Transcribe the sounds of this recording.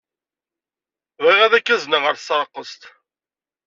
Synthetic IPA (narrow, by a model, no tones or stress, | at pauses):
ðiʁæðækːæznəʁəɾθsɾˤəqːəst̪